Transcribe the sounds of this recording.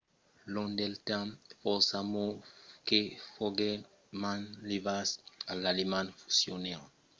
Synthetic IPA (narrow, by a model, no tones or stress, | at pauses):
lõnd̪elt̪ãmfosamokefoɡe | mãnlivasalalemãnfu̥sjone